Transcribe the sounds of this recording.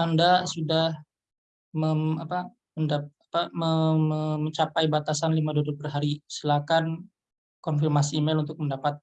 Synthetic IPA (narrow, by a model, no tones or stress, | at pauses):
andasudah | məapa | məndaapaməəɲt͡ʃapajbat̪asanlimaduadupərɦaɾisəlakan | kɔnfirmasiːmelunt̪̬ʊk̚məndapat̪̚